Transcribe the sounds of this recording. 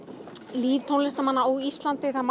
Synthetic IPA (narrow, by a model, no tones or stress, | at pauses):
liːvt̪ʰownlɛst̪amanːaowist̪lant̪ɪθaðm